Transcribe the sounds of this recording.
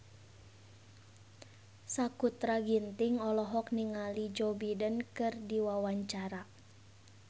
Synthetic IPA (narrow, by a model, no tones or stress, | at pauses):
sakut̪ɾaɡint̪iŋɔlɔɦɔk̚niŋalid͡ʒɔbidənkɨrdiwawaɲt͡ʃaɾa